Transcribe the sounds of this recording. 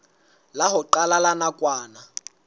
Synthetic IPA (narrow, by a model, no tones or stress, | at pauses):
laɦʊǃalalanakʼwaːna